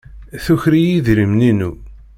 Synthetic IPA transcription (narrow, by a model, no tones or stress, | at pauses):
θuçɾijiðɾimninu